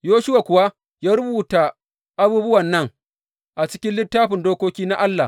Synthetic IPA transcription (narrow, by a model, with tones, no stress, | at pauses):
joː˦ʃʊ˦wa˨kʷʊ˨wa˦ | jaː˦ɾʊ˦buː˨ta˨ | ʔa˦buː˦bʊ˦wɐ˨nːɐ˦ŋ | ʔa˨t͡ʃɪ˦kʲɪ˦nlɪ˦tːaː˦ɸɪ˨ndoː˦kʷoː˦kʲiː˦na˦ʔa˦lːa˨